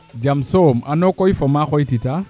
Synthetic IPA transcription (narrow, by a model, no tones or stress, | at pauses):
d͡ʒamsomanɔkɔifɔmaxɔitita